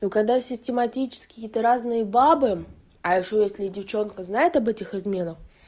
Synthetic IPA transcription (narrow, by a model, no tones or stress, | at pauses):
nokɐɡd̪asʲɪsʲtʲɪmɐtʲit͡ɕɪ̥skʲɪjɪt̪əɾaznɨjəbabɨ | ɐɪʂojesʲlʲɪdʲɪft͡ɕo̞nkəznajɪt̪ɐbɛtʲɪxɨzmʲe̞nəx